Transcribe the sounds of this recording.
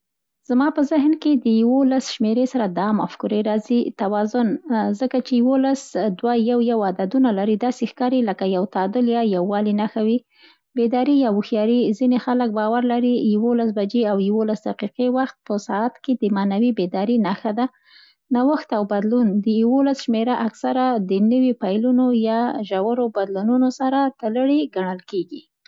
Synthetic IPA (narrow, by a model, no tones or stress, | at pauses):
z̥mɑpəzɪɦnked̪əjawolasʃmeɾesaɾad̪ɑmafkuɾeɾɑzit̪awɑzʊnzəkat͡ʃejwolasd̪wajawjawad̪ad̪unalaɾid̪ɑsexkɑɾeləkajawt̪ɑd̪ʊljɑjawːɑlinaxawi | bed̪ɑɾijɑwuxjɑɾizinexalək̚bɑwaɾlaɾijawolasbad͡ʒeawjawolasd̪aqiqewaxt̪̚pəsaat̪ked̪əmanawibed̪ɑɾinaxad̪a | nawaxt̪awbad̪lund̪əjawolasʃmeɾaʔaksaɾad̪ənəwipajlunojɑʒawaɾobad̪lununosaɾat̪ələɽeɡaɳəlkeɡi